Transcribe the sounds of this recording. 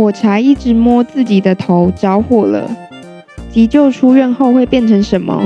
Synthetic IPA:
wɔ˨˩ʈ͡ʂʰa˨˥i˥˩ʈ͡ʂɻ̩˧˥mwɔ˥t͡sɹ̩˥˩t͡ɕi˨˩d̪ə˦t̪ʰo˧˦ʊʈ͡ʂɑ˥ʊxwɔ˥˩lə̰˨˩ | t͡ɕi˧˥t͡ɕjo˥˩ʊʈ͡ʂʰu˥ɥɛ˥˧nxo˥˧ʊxwe˥˧ɪpjɛ˥˨nʈ͡ʂʰə˧˥ŋʂə˨˦nmə̰˧

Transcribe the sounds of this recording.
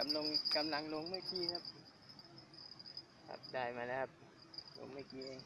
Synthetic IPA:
ka˧mlo˧ŋka˧mla˧˦ŋlo˧˦ŋmɯː˧˥˩kiː˧kʰa˦˥p̚ | kʰa̰˧p̚daː˧˩jmaː˧laː˧˦˥kʰa˦˧p̚ | lo̰˧˦ŋmɯː˧˩˨kiː˧ʔeː˧˩ŋ

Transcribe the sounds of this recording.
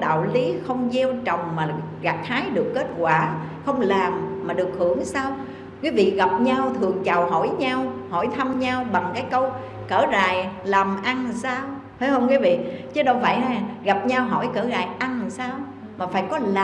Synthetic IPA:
ɗa̰ː˧˨wli˨˦xə˧wŋ͡mzɛ˧wt͡ɕə˨˩wŋ͡mmaː˨˩ | ɣaː˨˩k̚t̪ʰaː˨˦jɗɨ˨˩əkːe˦˥t̚kwaː˧˩xə˧wŋ͡mlaː˨˩mːaː˨˩ɗɨ˨˩ək̚hɨ˧˩əŋsaː˧w | kiː˨˦vḭ˧˨ɣa˨˩p̚ɲa˧wt̪ʰɨ˨˩əŋt͡ɕa˨˩wɦɔ˧˩jɲaː˧whɔ˧˩jt̪ʰa˧mɲaː˧wɓa˨˩ŋkaː˨˦jkə˧w | kəː˧˩za̰ː˨jla˨˩mʔa˧nsaː˧w | fə˨˦˥jhə˧nkwiː˨˦vḭ˧˨t͡ɕɨ˨˦ɗɔ˨˦va̰˧˨jɦaː˧˩ɣa˨˩p̚ɲa˧wɦɔ˧˩jkəː˧˩ɣa̰ː˧˨jʔa˧nsaː˧w | maː˨˩faː˧˩jkɔ˨˦la˨

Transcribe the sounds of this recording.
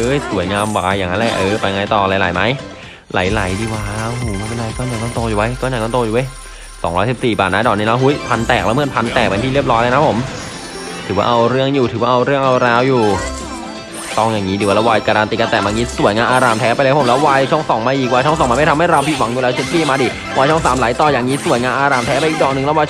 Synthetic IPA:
ʔɤː˧˥˩jsu˨˩˦əjŋaː˧mwaː˧jːaː˨˩ŋːa˦˥nlɛ˧˩ʔɤː˧˩pa˧jŋa˧jt̪ɔː˨˩la˧˩˦jla̰˨˦jma˦˥j | la̰˨˩˦jla˨˩˦jdiː˧˩waː˦˥o˧ɦoː˨˩˦a˧˥˩pe˧nlaː˧˩jkɔː˧˥˩nɲaː˨˩ŋt̪ɔː˥˩t̪oː˧juː˨˩wa˦jkɔː˧˩ja˨˩nɔ˥˩t̪oː˧ju˨˩a˦˥j | sɔ̰ː˩˦ŋɾɔː˦˥jsi˨˩p̚siː˨˩baː˨˩t̪̚naː˦˥˩dɔː˨˩t̚niː˦˥la˦˧˥ɦu˦˥jpʰa˧nt̪ɛː˨˩k̚lːwmɯ˥ə˨npʰa˧nt̪ɛː˨˩k̚pa˧nt̪ʰiː˥ɾp̚ɾɔː˦˥jla˧na˦˥pʰo˩˦m | t̪ʰɯː˨˩˦wa̰ː˧ʔa˧wɾɯ˥˩əŋjuː˨˩t̪ʰɯː˨˩˦waː˧ʔa˧ɾɯ˥˩əŋʔa˧wɾaː˧˥wjuː˨˩ | t̪ɔː˧ŋjaː˨˩ŋːiː˦diː˧˩wa˧˩lɛ˦˥waː˧jkaː˧ɾaː˧nt̪i˨˩ka˧nt̪ɛː˨˩maː˧ŋiː˦˥su˨˩˦əjŋaː˧nʔaː˧ɾaː˨˩mt̪ʰɛː˦˥pa˧˦˥o˩˦lːwaː˧jt͡ɕʰɔ˥˩ŋsɔː˩˦ŋmaː˧ʔiː˨˩k̚waː˧jt͡ɕʰŋsɔ˨˩˦maː˧ma˥˩t̪ʰa˧ma˥˩jɾa˧pʰi˨˩wa˨˩˦ŋju˨lɛː˦˥wt͡ɕʰe˦˥t̪̚pʰiː˥˩maː˧diː˧˩ | wʔaː˧jt͡ɕʰɔ˥˩ŋsaː˩˦mlaː˨˦jt̪ɔː˧˩jaː˨˩ŋːiː˦˥su˨˩˦əjŋaː˧nʔaː˧ɾaː˧˩mt̪ʰɛ˦˥pa˧ʔiː˨˩k̚dɔː˨˩k̚nɯ˨˩ŋlɛ˦˥waː˧

